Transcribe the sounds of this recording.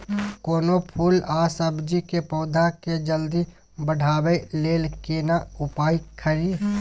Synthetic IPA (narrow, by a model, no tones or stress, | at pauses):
koːnopʰuːlaːsəbd͡ʒikepɔːd̪ʱaked͡ʒəld̪i | bəɖ̤ʱaːbeleːlkenaʊpaːikʰəɾiː